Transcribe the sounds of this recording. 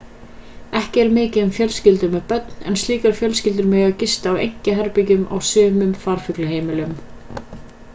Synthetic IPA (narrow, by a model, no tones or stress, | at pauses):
ɛhcɪɛɾmɪːcɪɛmfjœlscɪlt̪ʏɾmɛðpœt̪nɛ̰nst̪iːkaɾ̥fjœlscɪlt̪̬ʏɾmɛːacɪst̪aːwḛjŋ̥cɪɦɛɾpɪcʏmʔa̰wsʏːmʏmfaɾ̥fʏklʏɦeːjmɪlʏm